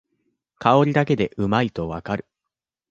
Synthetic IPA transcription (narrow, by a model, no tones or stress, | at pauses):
kʰao̞ɾʲid̪ak̬e̞d̪e̞ʔɯ̟mait̪o̞βa̰kaɾɯ̟̥